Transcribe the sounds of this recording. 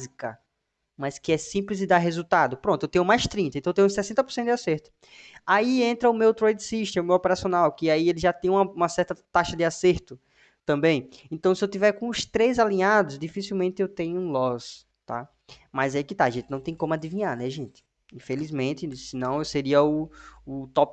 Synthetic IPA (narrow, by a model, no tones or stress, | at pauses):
zikɐ | mɐskɪɛsĩplɪzd̪ɪd̪aɾɦezut̪ad̪ʊpɾõt̪ʊewt̪ẽɲ̃ʊmajst̪ɾĩnt̪ɐẽt̪ewt̪ẽj̃ũsɛsẽnt̪ɐpoɾsẽt̪ʊd̪aseɾt̪ʊ̥ | aiẽnt̪ɾɐʊmewt̪ɾojd̪siʃt̪ɪmewɔpeɾasiõnawkɪaielɪʒat̪ẽɲ̃ɐũmɐũmɐsɛɾt̪ɐt̪aʃɐd̪ɪaseɾt̪ʊ | t̪ɐ̃mbẽj̃ẽnt̪ɐ̃w̃sɪewt̪ivɛɾkõʊst̪ɾezalĩɲad̪ʊzd̪ifisiwmẽnt̪ɪewt̪ẽɲʊũlɔz | t̪a̰ | majzaɛikɪt̪aɐʒẽnt̪ɪnɐ̃w̃t̪ẽj̃kõmʊad̪ivĩɲaɾnɛʒẽnt̪ɪ̥ | ĩfelizmẽnt̪ɪsɪnɐ̃w̃ewseɾiɐʊʊt̪ɔp